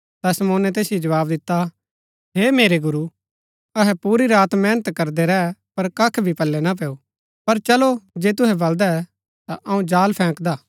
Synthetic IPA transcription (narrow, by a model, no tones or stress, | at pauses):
t̪ɐsɐmoːnɛt̪eːsjid͡ʒɐʋaːbd̪ɪt̪ːa | ɦeːmeːɾeɡʊɾu | ɐɦɛpuːɾiɾaːt̪mɛːnət̪kɐɾd̪ɛɾɛɛpɐɾkɐkʰbʱipɐlːɛnap̬ɛːu | pɐɾt͡ʃɐlod͡ʒeːt̪̬ʊɦɛbɐld̪aɛ | t̪aʔɐũd͡ʒaːlpʰɛ̃ːkd̪aː